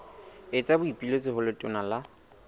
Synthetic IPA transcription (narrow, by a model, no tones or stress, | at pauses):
ɪt͡sʼabʊipʼilot͡sʼɪɦʊlʊtʼʊnala